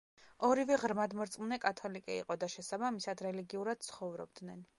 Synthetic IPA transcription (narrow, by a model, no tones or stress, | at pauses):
ɔɾivɛʁɾmad̪mɔɾt̪sʼmnɛkʼat̪ʰɔlikʼɛḭqʼɔd̪aʃɛsabamisad̪ɾɛliɡiuɾad̪̥̚t̪sʰχɔvɾɔ̰b̚d̪nɛn